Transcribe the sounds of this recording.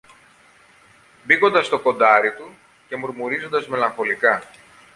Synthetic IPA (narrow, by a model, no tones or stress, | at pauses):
biko̞nd̪ɐst̪o̞ko̞nd̪ɐɾit̪u | ce̞muɾmuɾizo̞nd̪ɐzme̞lɐŋxo̞likɐ